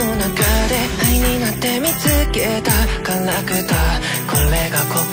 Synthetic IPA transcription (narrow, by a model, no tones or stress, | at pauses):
onakad̪eiɲinat̪ːe̞mit͡sɨket̪akaŋːakɯt̪a | kʰoːeɡakok